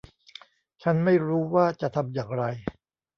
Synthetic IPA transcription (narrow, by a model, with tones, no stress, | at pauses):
t͡ɕʰa˦˥nma˥˩jɾuː˦˥waː˥˩t͡ɕa˨˩t̪ʰa˧mjaː˨˩ŋɾa˧j